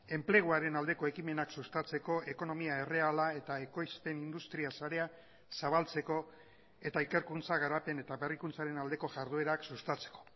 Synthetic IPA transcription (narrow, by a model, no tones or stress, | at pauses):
e̞mple̞ɣ̞uaɾe̞nald̪e̞ko̞e̞kime̞naksust̪at͡se̞ko̞e̞ko̞no̞miae̞re̞alae̞t̪aeko̞jspe̞nind̪ust̪ɾiasaɾe̞a | saβ̞alt͡se̞ko̞ | e̞t̪aike̞ɾkunt͡saɣ̞aɾape̞ne̞t̪aβe̞rikunt͡saɾe̞nald̪e̞ko̞ʝaɾð̞ue̞ɾaksust̪at͡se̥ko̞̥